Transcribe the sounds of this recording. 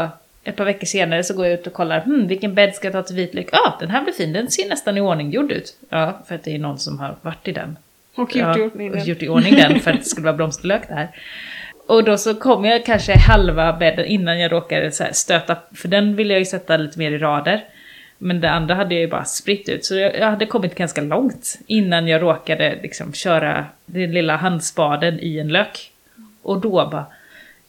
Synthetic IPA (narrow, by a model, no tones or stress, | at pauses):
ʔɛt̪̚pʰɑːvɛkːəʂeːnaɾəsɔɡoːɾjaʉ̟ːt̪ɔkʰɔlːaɾhm̩vɪlkːənbɛd̪skat̪ʰɑːt̪ʰɪlviːt̪lʏkːɑːd̪̥ɛnɦæːblɪfiːnd̪ɛnseːɳɛst̪anɪoːɳɪŋjʊɖːʉ̟̰ːt̪ːfœɾat̪̚d̪ɛːnɔnːsɔmha̰ɾvaʈːɪd̪ɛ̰nː | jʊʈːɪoːɳɪŋd̪ɛnfœɾat̪̚d̪ɛskɵlːəvɑːblɔmst̪əɭøːkt̪d̪ɛhæːɾ | ʔɔd̪ɔsɔkʰɔmːjakʰanʂəɪhalvabɛd̪ːə̰nʔɪnːanjɑːɾoːkad̪əsɛ̰st̪øːt̪afœɖɛnvɪlːəjajɵsɛt̪ːaliːt̪əmeːɾɪɾɑːd̪əɾ | mɛnd̪ɛand̪ɾaɦad̪ːəjajɵbɑ̰ːɾaspɾɪt̪ːʉ̟̰ːt̪sɔjɑjahad̪ːəkʰɔmːɪt̪ɡanskalɔŋt̪ɪnːanjɑːɡɾoːkad̪ə̰lɪ̰ksɔ̰mɕœːɾa̰d̪ɛnlɪlːaɦand̪sbɑːd̪ənɪɛnløːk | ʔɔd̪ɔbɑ̰ː